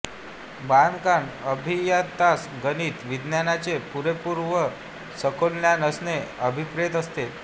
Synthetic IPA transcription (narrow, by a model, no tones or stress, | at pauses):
band̪kaɳəbʱijat̪asɡəniːt̪ʋid̪njanat͡sepuɾepuɾʋə | səkʰolnjanəsneəbʱipɾet̪əst̪e